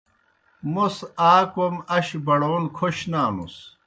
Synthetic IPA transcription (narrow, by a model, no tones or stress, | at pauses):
musaːkomɐɕbɐɽoːnkʰoɕnaːmṵs